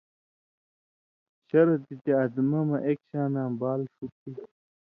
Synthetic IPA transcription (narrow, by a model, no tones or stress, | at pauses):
ɕɐɾɐt̪it̪eɐd̪mɐmɐʔekɕaːnãːmbaːlʂup̚i